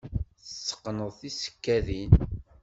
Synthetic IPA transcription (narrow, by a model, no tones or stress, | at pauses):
θəsːə̥qːnəðˤθisə̥kːæðin